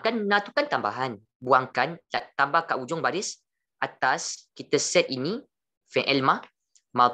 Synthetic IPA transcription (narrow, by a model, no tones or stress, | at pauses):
kanːãt̪ukant̪amba̰ɦan | buaŋkantaʔt̪ambahkaʔud͡ʒʊŋbaɾɪs | ʔat̪askit̪əsɛt̪̚ini | fɛ̃ʔɛlmã | ma